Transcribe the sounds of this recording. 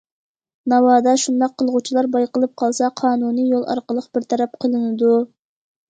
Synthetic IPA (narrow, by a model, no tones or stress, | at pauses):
nɑwɑːd̪ɑʃund̪ɑqʰːəlˠʁut͡ʃʰilˠɑɾbɑjqəlˠɨp̚qʰɑlˠsɑqʰɑːnunɨjolˠɑ̰ɾqəlˠəqb̥ɪɾt̪ʰɑɾɛp̚qʰəlˠɨnɨd̪u